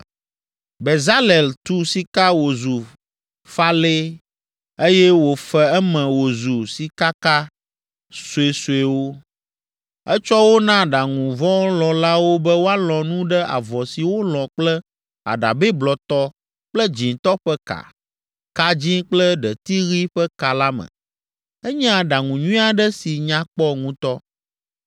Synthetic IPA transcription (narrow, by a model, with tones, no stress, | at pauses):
be˨za˦le˨lt̪u˦si˨ka˦wo˨zu˨ | fa˦le˦ | e˦jɛ˦wo˨fɛ˦ɛ˦mɛ̃˨wo˨zu˨si˨ka˦ka˦ | su˨e˨su˨e˨wo˦ | ɛ˦t͡ʃɔ˦wo˦nã˦ɖa˨ŋũ˨vɔ̃˦lɔ˨la˦wo˦bɛ˦wo˦a˦lɔ̃˨nũ˦ɖɛ˦ʔa̰˨vɔ˨si˨wo˦lɔ̃˨k͡plɛ˦ | a̰˨ɖa̰˨bɛ˦blɔ˨t̪ɔ˦ | k͡plə˦d͡ʑĩ˨n˨t̪ɔ˦ɸɛ˦ka̰˨ | ka˨d͡ʑĩ˦k͡plə˦ɖɛ˨t̪i˦ɣi˦ɸɛ˦ka˨la˦mə̰̃˨ | ɛ˦ɲ̃˦ã˦ɖa˨ŋũ˨ɲũ˦a˨ɖɛ˦si˨ɲã˦k͡pɔ˦ŋũ˦t̪ɔ˦